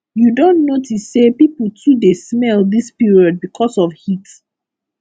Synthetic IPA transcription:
judõnnotisːepipl̩tʰudesmɛlˠdispiɹiɔd̚bikʰɔsɔfhit

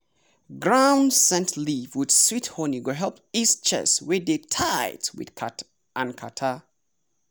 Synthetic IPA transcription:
ɡɹãʊ̃ndsɛ̃ntʰlivwɪd̥swithɔniɡoɦɛlˠpist͡ʃʰɛ̰swɛdetʰaɪtwɪ̰d̥kʰat | ʔãnkʰatʰa

